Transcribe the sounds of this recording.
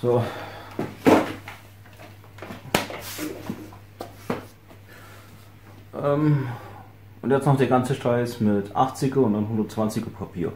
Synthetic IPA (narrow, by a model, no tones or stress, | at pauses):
z̥oː | ʔɛm | ʔʊntjɛt͡stnɔχd̥eːɐɡant͡səʃtʁ̥aɪsmɪtʰʔa̰χt͡sɪɡɐʊntd̥anɦʊndɐtt͡sv̥ant͡sɪɡɐpʰapʰḭːɐ